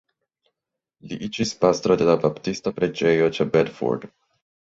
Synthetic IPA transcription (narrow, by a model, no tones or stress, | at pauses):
liʔit͡ʃispast̪ɾod̪elabapt̪ist̪apɾed͡ʒejot͡ʃabɛd̪fɔ̰ɾd̪